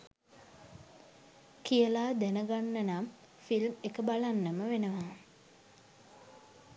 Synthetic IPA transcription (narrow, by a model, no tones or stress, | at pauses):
kijəlaːd̪ænəɡanːənam | filmekəbalanːəməʋenəʋaː